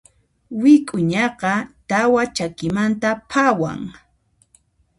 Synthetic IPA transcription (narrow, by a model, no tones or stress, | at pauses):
wɪkʼʊɲɑqɑt̪awat͡ʃakɪmant̪apʰawa̰ŋ